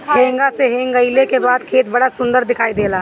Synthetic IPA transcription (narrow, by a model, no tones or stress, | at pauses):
ɦẽːŋɡaseɦẽːŋɡəɪlekebaːd̪kʰeːt̪bɐɽasʊ̃nd̪əɾd̪ɪkʰaːid̪eːlaː